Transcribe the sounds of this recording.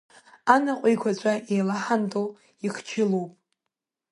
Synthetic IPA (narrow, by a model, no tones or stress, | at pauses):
anaqʷʼijkʷʰat͡ɕʷʼaʔejlaħantʼo | iχt͡ʃʰɪlowpʼ